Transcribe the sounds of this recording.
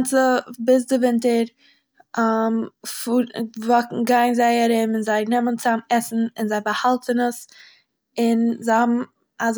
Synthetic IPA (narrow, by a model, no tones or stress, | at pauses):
nt͡səbɪs̬dɪvɪntəɾ | amfuɾvɔkŋ̩ɡaɪnzaɪaɾɪmɪnzaɪnɛmənt͡sanɛsn̩ɪnzaɪbahalˠtənəs | ɪnzaɪhɔbm̩ | az